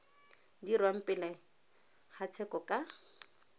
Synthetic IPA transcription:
dirwam̩pʼɪlɛ | hat͡sʰɛkɔkʼa

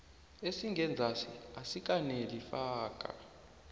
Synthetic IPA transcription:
esiŋʱɛnd͡zʱasiasik̬ʼanelifaːk̬ʼa̰

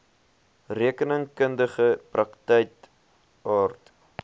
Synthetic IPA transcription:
riəkənəŋkəndəχəprɐktɛjk | ɑːrt

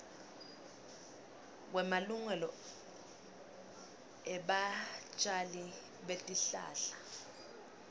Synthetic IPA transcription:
k̬wɛmaluŋɛlɔ | ɛɓat͡ʃʼali | ɓetʼiɬa̰ːɬḁ

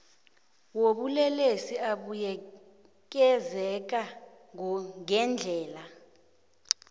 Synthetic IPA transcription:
woɓulɛlesiaɓujɛ | k̬ɛzɛk̬ʼa | ŋŋɛnd͡ɮʱɛːla

